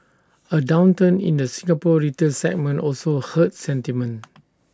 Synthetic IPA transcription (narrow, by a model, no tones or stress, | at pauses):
ədãwntə̃nḭ̃ndəsĩŋapɔɹitə̃sɛ̰k̚mə̃nʔɔlsohət̚sɛ̃ntimə̃n